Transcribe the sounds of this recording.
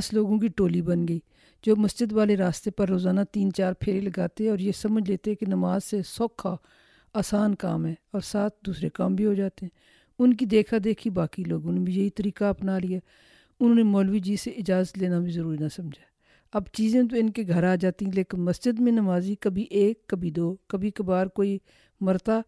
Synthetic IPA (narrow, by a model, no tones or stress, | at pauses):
sloːɡõkiʈoːlibənɡəiː | d͡ʒoːməsd͡ʒəd̪ʋaːleɾaːst̪epəɾːoːzaːnat̪iːnt͡ʃaːɾpʰeːɾiləɡaːt̪eɦɛ̃ɔːɾjesəməd͡ʒʱleːt̪eɦɛ̃kenəmaːzsesɔːkʰːa | aːsaːnka̰ːmɦɛːɔːɾsaːt̪̚ʰd̪uːsɾekaːmbʱiɦod͡ʒaːt̪eɦɛ̃ː | ʊnk̬id̪eːkʰad̪eːkʰibaːkiloːɡʊ̃nẽbʱijɐit̪əɾiːkapnalijaː | ʊnõːnemɔːlʋid͡ʒiːseɪd͡ʒaːzət̪leːnabʱizəɾuːɾinasəmd͡ʒʱaː | ɐbt͡ʃiːzẽt̪̬oɪnkeɡʱəɾaːd͡ʒaːt̪iɦɛ̃leːkɪnməsd͡ʒəd̪mẽnəmaːzikəbʱiʔeːkːəbʱid̪oːkəbʱikəbaːɾkoːi | məɾt̪aː